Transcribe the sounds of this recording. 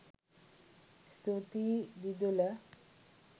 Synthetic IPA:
st̪ut̪id̪id̪ulə

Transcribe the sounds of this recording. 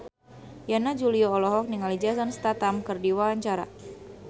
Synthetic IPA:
janad͡ʒuliɔːlɔɦɔk̚niŋalid͡ʒasanst̪at̪amkɨrdiwalaɲt͡ʃaɾa̰

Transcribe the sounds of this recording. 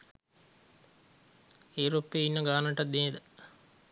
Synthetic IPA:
euɾopːeːinːəɡaːnəʈɐt̪ːeːed̪ə

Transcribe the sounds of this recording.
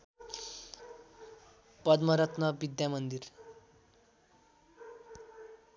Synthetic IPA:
pʌd̪mʌɾʌt̪nʌbid̪jamʌnd̪ir

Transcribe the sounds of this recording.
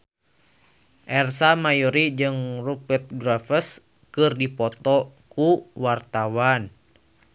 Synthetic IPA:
ʔɛrsamajɔɾid͡ʒɨŋrupət̪̚ɡɾafəs | kɨrdipɔt̪ɔkuwart̪awan

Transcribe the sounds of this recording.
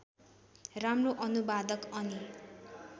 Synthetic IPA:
ramroʔʌnubad̪ʌkʌni

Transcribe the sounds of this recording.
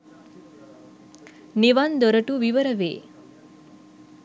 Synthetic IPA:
neʋand̪ɔɾəʈuʋiʋəɾəʋḛː

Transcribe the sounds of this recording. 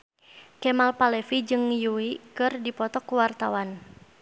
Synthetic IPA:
kɛmalpalɛfid͡ʒɨŋjuikɨrdipɔt̪ɔkuwart̪awan

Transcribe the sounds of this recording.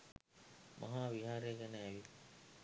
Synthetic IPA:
mʔa̰ɦaːʋiɦaːɾejəɡɛnəːʋi

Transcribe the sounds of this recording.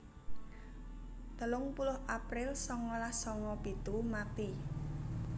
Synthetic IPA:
t̪əlʊŋpulʊhʔapɾɪlsɔŋɔlahsɔŋɔpit̪umat̪i

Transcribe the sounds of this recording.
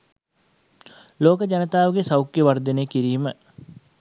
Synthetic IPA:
loːkəd͡ʒanət̪aːʋəɡesawkːjeʋaɾd̪enejkiɾiːmə

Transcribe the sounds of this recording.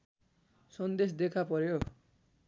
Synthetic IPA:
sʌnd̪es̬d̪ekʰapʌɾjo

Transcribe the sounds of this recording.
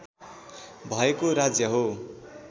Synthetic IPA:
bʱʌekoɾad͡zjʌɦo

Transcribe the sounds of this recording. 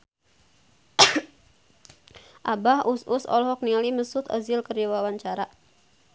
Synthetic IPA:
ʔabahususɔ̰lɦɔk̚nialiməsut̪ə̰zɪlkəriwawaɲt͡ʃaɾa

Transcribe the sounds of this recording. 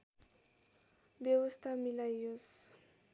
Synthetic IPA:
bjewɔst̪ʰamilajos

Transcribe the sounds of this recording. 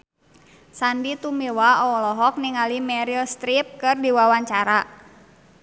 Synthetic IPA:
sandit̪umiwaɔɔlɔɦɔk̚niŋalimɛɾilst̪ɾip̚kɨrdiwawaɲt͡ʃaɾa

